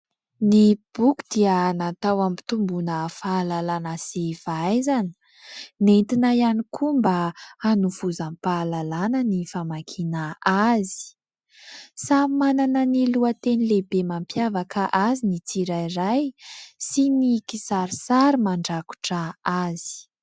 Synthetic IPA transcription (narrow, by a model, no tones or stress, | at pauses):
nib̥uku̥d̪̥ianat̪awami̥t̪umbunəfalalanasefaajzani̥ | nent̪inajanikʰumbaanuv̥uzampalalanənifamakʰinaazi̥ | samananəniluət̪enilebemampjavakʰaʔazinit͡siɾajrajsinikisaɾisaɾimaɳɖ͡ʐaku̥ʈ͡ʂaazi̥